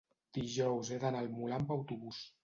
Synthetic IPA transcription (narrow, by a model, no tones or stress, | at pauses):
d̪̥iʒɔwzeðanalˠmulampawt̪uβus